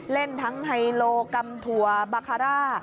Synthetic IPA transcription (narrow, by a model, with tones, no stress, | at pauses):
le˥˩nt̪ʰa˦˥ŋɦa˧jloː˧ka˧mt̪ʰu˨˩ɐbaː˧kʰaː˧ɾaː˥˩